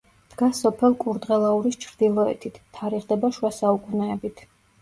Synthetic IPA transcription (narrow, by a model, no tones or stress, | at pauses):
d̪̥ɡasɔpʰɛlˠkʼuɾd̪ʁɛlˠauɾist͡ʃʰɾd̪̥ilˠɔɛ̰t̪ʰit̪ʰt̪ʰːaɾiʁd̪ɛbaʃwasaukʼunɛːbit̪ʰ